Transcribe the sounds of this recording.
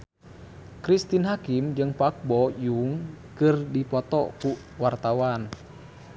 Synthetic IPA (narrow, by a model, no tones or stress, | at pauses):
kɾist̪inɦakimd͡ʒɨŋpak̚bɔjuŋkɨrdipɔt̪ɔku | wart̪awan